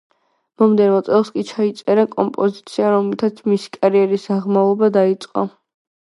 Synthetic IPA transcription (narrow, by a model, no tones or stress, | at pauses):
mɔmd̪ɛnvɔt̪sʼɛlˠskʼit͡ʃʰait̪sʼɛɾakʼɔmpʼɔzit̪sʰiaɾɔmlit̪ʰat̪sʰmisi̥kʼaɾiɛɾisd̪aʁmaɔbad̪ait̪sʼqʼɔ̰